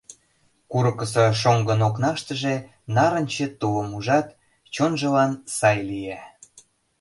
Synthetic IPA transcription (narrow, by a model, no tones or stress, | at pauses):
kuɾɤkəs̬ɤ̆ʃoŋɡə̆noknɑʃt̪ə̆ʒe | nɑɾə̆nʲt͡ɕĕt̪uəmuʒɑt̪ | t͡ɕonʒə̆lɑnsɑjlijæ